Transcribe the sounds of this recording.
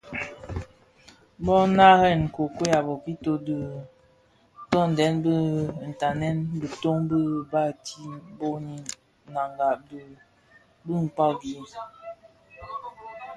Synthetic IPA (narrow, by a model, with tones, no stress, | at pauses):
bɔ˦na˦ɣɛ˦˨n˨ko˨kwe˦ja˨bɔ˨ki˦to˦də˨ | tɔ˦n̩˨dɛ˨˦nbə˦˨n̩˨ta˨nɛ˦nbə˨to˦ŋbə˦ba˦˨ti˦bo˦ɲi˦ | na˨ŋɡa˨b | bə˦ŋ̩˨k͡pa˦ɡi˨˦